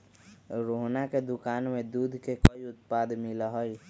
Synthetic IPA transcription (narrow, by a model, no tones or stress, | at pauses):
ɾoɦnaked̪ʊkaːnmẽd̪uːd̪ʱkekəiʊt̪̚paːd̪mɪlaɦoj